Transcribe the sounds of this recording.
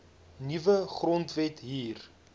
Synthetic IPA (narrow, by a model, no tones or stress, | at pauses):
nivəχrɔntvɛtɦiːr